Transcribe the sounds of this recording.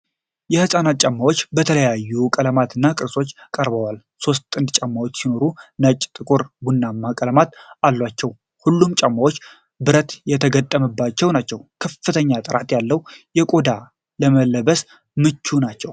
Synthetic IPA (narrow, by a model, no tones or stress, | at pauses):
jɛhɨsʼanat̪̚t͡ʃʼamːawo̞t͡ʃːbət̪ʰələjajːukʼələmat̪ʰɨnːakʼɨɾso̞t͡ʃːkʼəɾbəwal | so̞st̪ʼɨnd̪t͡ʃʼamːawo̞t͡ʃːsino̞ɾunət͡ʃʼːt̪ʼɨkʼuɾbunːamːakʼələmat̪alːwat͡ʃːɛw | hulːumt͡ʃʼamːawo̞t͡ʃː | bɨɾət̪jɛt̪ʰəɡət̪ʼːəməbːat͡ʃːɛwnat͡ʃːɛwkʰəfːɨt̪ʰəɲːat̪ʼɨɾat̪jalːəwjɛkʼo̞d̪a | ləməlːəbəs | mɨt͡ʃːunat͡ʃːɛw